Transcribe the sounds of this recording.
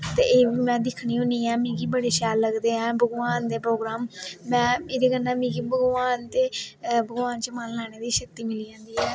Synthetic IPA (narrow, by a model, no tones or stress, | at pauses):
t̪ḛːeːʋiːmɛ̃ːd̪ɪkʰɳiːɦʊ̃ːniːɛːmĩːɡiːbəɽeːʃaːlːəɡd̪eːɛ̃ːbʱəɡʋaːnd̪eːpɾoːɡɾaːmːɛ̃ːeːdeːɡənːãːmĩːɡiːbʱəɡʋaːnt̪eːbʱəɡʋaːnt͡ʃəmənlaːɽ̃eːd̪iːʃək̚t̪iːmɪliːãːnd̪iːɦɛː